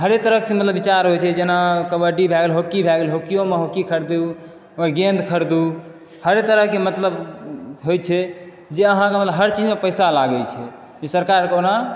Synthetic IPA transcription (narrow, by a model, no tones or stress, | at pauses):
ɦəɾet̪əɾəksemət̪ləbːit͡ʃaɾɦojt͡ʃʰɛd͡ʒenakəbəʈibʱɛɡelɦokibʱɛɡelɦokijomeɦokikʰəɾd̪eu | ɔɾɡend̪kʰəɾd̪u | həɾet̪əɾəkemət̪ləbɦojt͡ʃʰɛ | d͡ʒeəɦãkemət̪ləbɦəɾt͡ʃid͡ʒmepəjsalaɡɛlt͡ʃʰɛ | d͡ʒesəɾkaɾkona